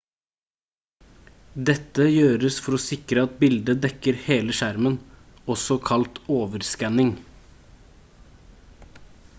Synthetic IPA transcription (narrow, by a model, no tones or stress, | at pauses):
d̪ɛt̪ːəjøːɾəsfɔɾoːsɪkɾəɑt̪̚bɪld̪əd̪ɛkəɾheːləʃæɾmən | ɔsɔkʰɑlt̪oːʋəɾskɛnɪŋ